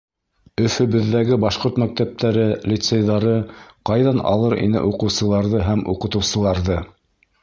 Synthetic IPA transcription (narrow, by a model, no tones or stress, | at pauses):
ɵ̆fɵ̆βɵ̆ðːæɡɘbɑʃqoɾt̪mæk̚t̪æp̚t̪ʰæɾɘlʲit̪sejðɑɾɤqɑjðɑnɑ̰lˠɤɾḭnɘ̰ʔuqɤ̆wsɤ̆lˠɑɾðɤɦæmṵqɤ̆t̪ɤ̆wsɤ̆lˠɑɾðɤ